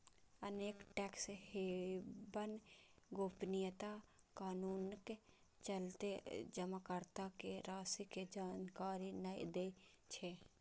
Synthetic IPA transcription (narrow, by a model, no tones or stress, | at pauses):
əneːkʈɛːkshebənɡoːpnijət̪akaːnuːnke | t͡ʃəlt̪ed͡ʒəmakəɾt̪akeɾaːsiked͡ʒaːnkaːɾinəjd̪e | t͡ʃʰe